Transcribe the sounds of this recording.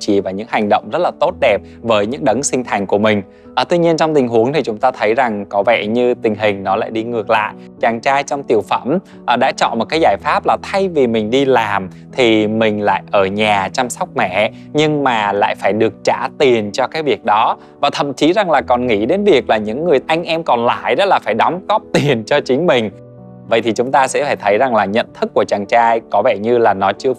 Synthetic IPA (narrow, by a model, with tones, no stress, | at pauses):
t͡ɕḭ˧˩vaː˨˩ɲɨ̰˧˥ŋha˨˩jŋ̟ɗə̰˧˨wŋ͡mzə˦˥t̚laː˨˩t̪o˦˥t̚ɗɛ˨˩p̚ | vəː˨˦jɲɨ̰˧˥ŋɗə˨˦ŋsï˧ŋ̟t̪ʰa˨˩jŋ̟ku˧˩əmï˨˩ŋ̟ | ʔə˨˩t̪wi˧ɲi˧ənt͡ɕɔ˧wŋ͡mt̪ï˨˩ŋ̟ɦu˨˦əŋt̪ʰi˨˩t͡ɕʊ˨˦ŋ͡mt̪aː˧t̪ʰə˨˦jza˨˩ŋkɔ˨˦vɛ˧˩ɲɨ˧t̪ï˨˩ŋ̟ɦï˨˩ŋ̟nɔ˨˦la̰ː˧˨jɗi˧ŋɨ˨˩ək̚la̰ː˧˨j | t͡ɕaː˨˩ŋt͡ɕaː˧jt͡ɕɔ˧wŋ͡mt̪i˨˩əwfə̰˧˩m | ʔɗa̰ː˧˥t͡ɕɔ̰˧˨nmo˨˩t̚kaː˨˦jzaː˧˩jfaː˦˥p̚laː˨˩t̪ʰa˧jvi˨˩mï˨˩ŋ̟ɗi˧laː˨˩m | t̪ʰi˨˩mï˨˩ŋ̟la̰ː˧˨jʔəː˧˩ɲaː˨˩t͡ɕa˧msɔ˦˥wk͡p̚mɛ̰˧˩˨ | ɲɨ˧ŋmaː˨˩la̰ː˧˨jfaː˧˩jɗɨ˨˩ək̚t͡ɕa̰ː˧˩t̪i˨˩ənt͡ɕɔ˧kaː˨˦jvi˨˩ək̚ɗɔ˨˦ | vaː˨˩t̪ʰə̰˧˨mt͡ɕi˨˦za˨˩ŋlaː˨˩kɔ˨˩nŋḭ˧˥ɗe˨˦nvi˨˩ək̚laː˨˩ɲɨ̰˧˥ŋːɨ˨˩əjʔa˧jŋ̟ʔɛ˧mkɔ˨˩nla̰ː˧˨jɗɔ˦˥laː˨˩faː˧˩jɗɔ˨˦wŋ͡mɣɔ˦˥p̚t̪i˨˩ənt͡ɕɔ˧t͡ɕï˨˦ŋ̟mï˨˩ŋ̟ | və̰˧˨jt̪ʰi˨˩t͡ɕʊ˨˦ŋ͡mt̪aː˧sɛ̰˧˥faː˧˩jt̪ʰə˨˦jza˨˩ŋlaː˨˩ɲə̰˧˨nt̪ʰɨ˦˥kːu˧˩ət͡ɕaː˨˩ŋt͡ɕaː˧jkɔ˨˦vɛ˧˩ɲɨ˧laː˨˩nɔ˨˦t͡ɕɨ˧ə